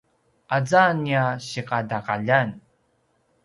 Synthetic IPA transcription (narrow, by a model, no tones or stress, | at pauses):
ʔad͡zaniaɕiqadaqa̰ʎan